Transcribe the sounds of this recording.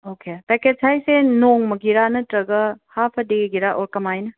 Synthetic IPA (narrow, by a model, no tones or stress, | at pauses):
okʰepeked͡ʒsʰajsenoŋmɐɡiɾanɐtɾɐɡɐhapʰɐdeɡiɾaʔoɾkɐmajnɐ